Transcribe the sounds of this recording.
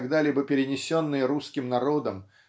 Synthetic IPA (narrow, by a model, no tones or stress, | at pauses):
ɡd̪alʲibəpʲɪɾʲɪnʲɪsʲo̞nːɨjəɾuskʲɪmnɐɾo̞d̪əm